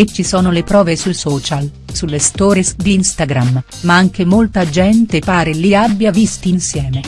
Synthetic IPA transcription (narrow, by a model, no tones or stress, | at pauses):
et͡ʃːisɔːnolepɾɔːvesulsɔːt͡ʃalsulːest̪ɔːɾesd̪inst̪aɡɾam | maaŋk̟emolt̪ad͡ʒɛnt̪epaːɾeliabːjavist̪iinsjɛːme